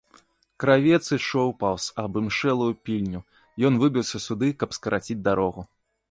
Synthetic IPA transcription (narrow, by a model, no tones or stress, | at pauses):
kɾavʲɛt̪sɨʂɔwpawsɐbɨmʂɛlˠujupʲilʲnʲu | jɔnvɨbʲiwsʲɐsud̪ɨkɐpskɐɾʔat͡sʲid͡zʲd̪aɾɔɣu